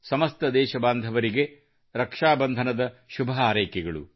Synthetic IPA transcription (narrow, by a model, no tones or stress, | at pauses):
sɐmɐst̪ɐd̪ɛːʃɐbaːnd̪ʱɐʋɐɾiɡe | ɾɐkʂaːbɐnd̪ʱɐnɐd̪ɐʃubʱɐɦaːɾɐjkɛɡɐɭṵ